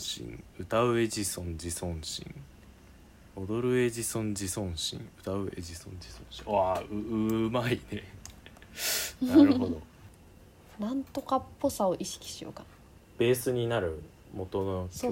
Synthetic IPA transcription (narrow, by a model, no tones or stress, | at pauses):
ɕḭ̃ŋɯ̟t̪aɯ̟e̞d͡ʑisõ̞ɲd͡ʑisõ̞ɰ̃ɕḭ̃ŋ | od̪o̞ɾɯ̟e̞ʑisõ̞ɲd͡ʑisõ̞ɰ̃ɕḭ̃ŋɯ̟t̪aɯ̟e̞̰ʑisõɲd͡ʑisõɕiaɯɯmaine | naɾɯɦd̪o̰ | nãnt̪o̞kapːo̞sao̞ʔiɕi̥kʲi̥ɕijo̰ka | b̥e̞ːsɨɲ̟inaɾɯ̟ | mo̞t̪onoso